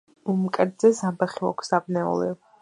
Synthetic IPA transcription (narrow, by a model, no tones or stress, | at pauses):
umkʼɛɾd̪zɛzabɛχia̰kʷʰsd̪abnɛɔ̰lɛ̰